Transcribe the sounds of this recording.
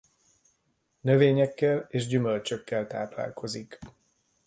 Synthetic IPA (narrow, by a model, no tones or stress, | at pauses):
nøveːɲɛkːɛleːʒɟymølt͡ʃøkːɛlt̪aːpla̰ːlkʰo̞zik